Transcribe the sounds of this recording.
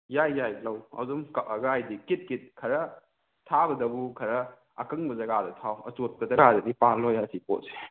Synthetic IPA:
jajːajlɐwɐ̰wdumkɐɡajdikit̚kit̚kʰɐɾɐ | tʰabɐdɐbukʰɐɾɐ | ɐkɐŋbɐzɐɡadɐtʰawɐ̰t͡ʃot̚pɐzɐɡadɐdipalojasipo̰t̚se̥

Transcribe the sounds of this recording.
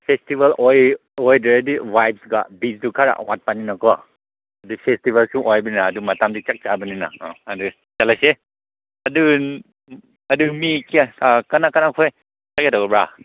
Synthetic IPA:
pʰestibalʔɔjɔjdɯɾediwajp̚sɡa̰bisdukʰaɾa̰ʔwa̰t̚paninakɔ | ɐdupʰestibalsuʔɔjbininaːdumatamdit͡ʃak̚t͡ʃabɯnina̰adɯ | t͡ʃalase | adɯ | adɯmikiakanakanakʰɔj | saketakɔbɹa

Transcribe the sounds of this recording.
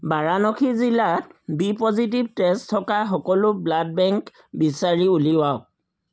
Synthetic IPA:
baɹanɔkʰizilat̚bipɔzitib̚testʰːɔkaxɔkɔlʊblad̚bɛŋk | bisaɹiuliwaɔk̚

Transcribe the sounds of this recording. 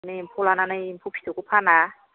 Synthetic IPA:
nɯimpʰolananɯimpʰupʰi̥t̪okupʰana

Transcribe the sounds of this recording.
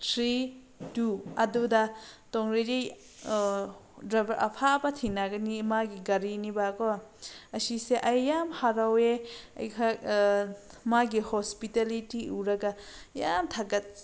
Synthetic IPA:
tʰɾi | tuɐdudatɔŋɾiɾi | dɾabɾʔɐ̰pʰabɐtʰinaɡɐnimaɡiɡɐɾinibakɔɐsiseʔɐjːamhaɾaweɐ̰jkʰa | maɡihɔspitalitiʔuɾɐɡajamtʰaɡɐt̚

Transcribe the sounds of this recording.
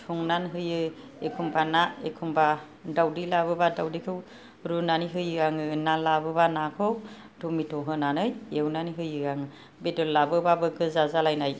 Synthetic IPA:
tʰuŋnanɦɯjɯ | ekʰumbanaekʰumba | dawdilaβɯbadawdikʰɯw | ɾunaniɦɯjɯaŋɯnalabɯbanakʰɯw | tɔmitʰɔɦɯnanɯjewnaniɦɯjɯaŋɯ | bedɔlːabɯbabɯkʰɯzazalajnaj

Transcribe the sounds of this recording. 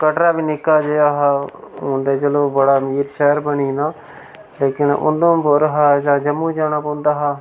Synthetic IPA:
kəʈɾaːbiːnɪkːaːd͡ʒeːjaːɦaːõːnd̪eːt͡ʃəloːbəɽaːmiːɾʃɛːɾbəɳiːnaː | leːkɪnʊ̰nd̪õːmbʊɾɦaːd͡ʒãːd͡ʒəmːũːd͡ʒaːñãːpõːnd̪aːɦaː

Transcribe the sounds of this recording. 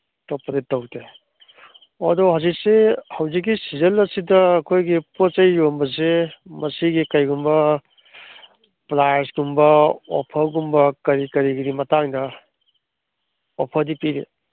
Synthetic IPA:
tɔpːɐditɐwte | ɐdɔɦawzik̚sehɐwzik̬ːisizɐlɐsidɐːkʰojɡipot͡ʃɐjɾombɐs̬emɐsiɡikɐjɡumbɐ | plajɐɾsɡumbɐɔ̰pʰɐɾɡumbɐkɐɾikɐɾiɡidimɐtaŋdɐ | ɔpʰɐɾdipiɾe

